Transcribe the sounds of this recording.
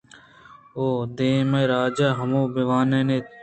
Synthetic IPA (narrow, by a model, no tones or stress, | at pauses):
oːd̪eːmɐjɾaːd͡ʒaːɦɐmũːbiʋaːneːne